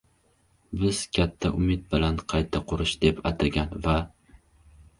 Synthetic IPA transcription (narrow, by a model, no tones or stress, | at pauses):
bɪz̥kʲʰat̪ʰːaʔʊmɪt̪̚bɪlanqʰɑjt̪ʰaqʰʊɾɪʃd̪epat̪ʰaɡʲanva